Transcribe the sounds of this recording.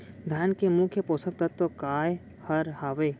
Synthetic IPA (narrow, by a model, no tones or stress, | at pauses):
d̪ʱjaːnkemʊkʰjəpoːsəbt̪ɐt̪ːokaːj | hɐɾhaːʋeː